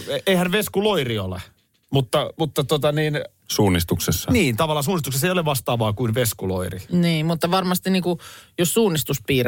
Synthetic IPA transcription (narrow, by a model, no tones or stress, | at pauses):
eihænʋeskuloiriolḛ | mut̪ːɑmut̪ːɑt̪ot̪ɑniːn | suːnːist̪uksesːɑniːnt̪ɑʋɑlːɑs̬uːnːist̪uksesːejoleʋɑst̪ɑːʋɑːkuinʋeskulo̰iriniːmut̪ːɑʋɑrmɑst̪iniːkujossuːnːˑist̪uspiːr